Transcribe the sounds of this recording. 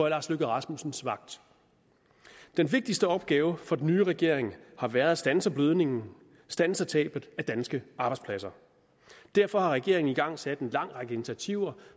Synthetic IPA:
ɒlɑ̈sløɡ̥ð̩ˠʁɑ̈smusn̩sʋɑ̈ɡ̥̚d̥ | d̥enʋe̝ɡ̥̚d̥isd̥əɒ̽b̥̚ɡ̥ɛːʊəfɒ̽d̥en̩ːyːʁɛɡ̥e̝ɐ̰eŋhɑ̈ʋæɐð̞̩ˠsd̥ænsɐb̥løð̞ˠne̝ŋn̩ | sd̥ænsɐt͡sʰɛ̰ːb̥ð̩ˠæd̥ænsɡ̥əʔɑ̈ːb̥ɑ̈ɪ̥spʰlæsɐ | d̥æɐfɒ̽hɑ̈ʁɛɡ̥e̝ɐ̰eŋn̩iɡ̥ɑ̈ŋ̰sæd̥e̝nlɑ̈ŋ̰ʁɑ̈ɡ̥əe̝nit͡sʰæt͡sʰiʊ̰ɐ

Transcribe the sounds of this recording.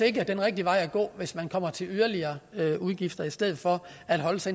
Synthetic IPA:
eɡ̥ɐd̥enʁɛɡ̥̚d̥iʋɑ̈ɪ̰æɡ̥ɔ̰̽ːʋe̝smænkʰɒ̽m̰ɐt͡sʰe̝lyðˠɐliɐːøuð̞ˠɡ̥ifd̥ɐisd̥eð̞̰̩ˠfɒ̽ | æd̥ɦɒ̽ləsɑ

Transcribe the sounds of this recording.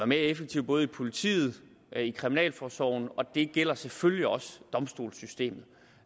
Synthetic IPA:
æme̝ɐefeɡ̥̚t͡sʰiʊ̰b̥ɔ̽ːð̞̩ˠipʰo̝lit͡sʰḭːð̞̩ˠ | ikʰʁiminɛ̰ːlfɒːsɒʊ̰n̩ɒ̽d̥e̝ɡ̥el̰ɐseføljiɒ̽sd̥ɒ̽msd̥o̝̰ːlsysd̥e̝̰ːmð̞̩ˠ

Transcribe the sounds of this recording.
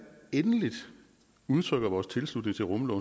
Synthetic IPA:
enəlid̥ | uðˠt͡sʰʁœɡ̥ɐʋɒːst͡sʰe̝lslud̥ne̝ŋt͡sʰe̝lʁɔ̽mlɔ̽ʊ

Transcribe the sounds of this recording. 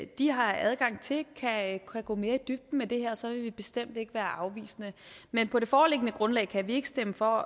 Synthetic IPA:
d̥iɦɑ̈æð̞ˠɡ̥ɑ̈ŋ̰t͡sʰe̝lkʰææɡ̥ɔ̰̽ːme̝ːɐid̥yb̥̚d̥n̩med̥e̝ɦeɐ̰ɒsɒ̽ʋe̝ʋib̥e̝sd̥em̰d̥e̝ɡ̥əʋæːɐʔɑ̈ʊʋḭːsənəmenpʰɒ̽ɾ̥e̝fɒːle̝ɡ̥ənəɡ̥ʁɔ̽nlɛ̰ːɪkʰæʋie̝ɡ̥ə̥sd̥eməfɒ̽

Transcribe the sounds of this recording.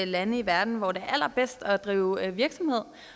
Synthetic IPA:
lænəiʋæɐd̥n̩ʋɒde̝æɐæl̰ɐb̥esd̥ɒ̽d̥ʁḭːʊʋiɐɡ̥sɒ̽mhe̝ð̰ˠ

